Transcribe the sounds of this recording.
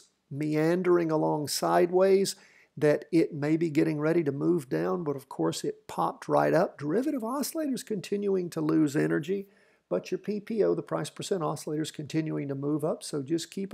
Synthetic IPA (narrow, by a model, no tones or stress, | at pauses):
miæ̃ndə˞ɪ̃ŋəlɔ̃ŋsaɪd̚weɪz | ðɨɾɪt̚meɪbiɡɛɾɪ̃ŋɹɛɾiɾɨmuvdãʊ̃nbʌɾʌv̥kʰɔɹsɨt̚pʰɑp̚t̚ɹaɪɾʌp̚d̥ə˞ɪvɨɾɨvɑsleɪɾə˞z̥kʰɨ̃ntʰɪ̃njuɪ̃ŋtʰəlʉzɛñə˞d͡ʒi | b̥ʌt͡ʃə˞pʰipʰioʊðəpʰɹ̥aɪspʰə˞sɛ̃ɾ̃ɑsəleɪɾə˞z̥kʰɨ̃ntʰɪ̃njʉɪ̃ŋtɨmuvʌpsoʊd͡ʒʌskʰip